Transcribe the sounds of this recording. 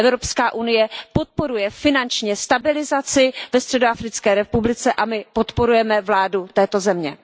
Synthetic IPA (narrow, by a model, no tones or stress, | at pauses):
ʔɛvɾo̞pskaːʔunɪjɛpo̞t̪̚po̞ɾujɛfɪnant͡ʃɲɛst̪abɪlɪzat͡sɪvɛst̪r̥ɛdoafɾɪt͡skɛːɾɛpublɪt͡sɛʔamɪpo̞t̪poɾujɛmɛvlaːdut̪ɛːt̪o̞zɛmɲɛ